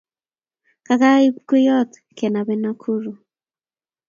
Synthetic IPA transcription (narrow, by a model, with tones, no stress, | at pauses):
ka˨ka˦i˦p̚ku˦jɔ˦t̪ | kɛ˨na˨βɛ˦na˦kʰu˦ɾu˨